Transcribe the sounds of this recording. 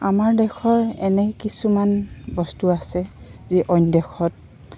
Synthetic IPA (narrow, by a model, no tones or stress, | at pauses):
amaɹdɛkʰɔɹɛnɛkisumanbɔstuasɛziʔɔjndɛkʰɔt̚